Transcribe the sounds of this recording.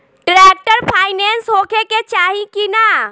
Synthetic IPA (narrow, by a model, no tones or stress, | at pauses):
ʈɾek̚ʈəɾpʰaːɪnensɦokeket͡ʃaɦikina